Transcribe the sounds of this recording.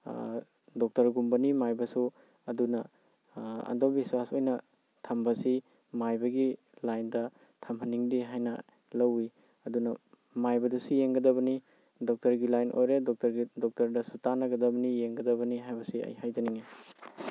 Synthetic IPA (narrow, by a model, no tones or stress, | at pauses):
dɔk̚tɐɾɡumbɐnimajbɐsu | ɐdunɐ | ɐ̰ndobiswasojnɐ | tʰɐmbɐsi | majbɐɡi | lajndɐ | tʰɐmhɐniŋdiɦajnɐ | lɐwi | ɐdunɐ | majbɐdɐsujeŋɡɐdɐβɐni | dɔk̚tɐɾɡilajnʔo̰jɾedɔk̚tɐɾɡidɔk̚tɐɾdɐsutanɐɡɐdɐbɐnijeŋɡɐdɐβɐniɦajbɐsiɐ̰jhajdɐniŋe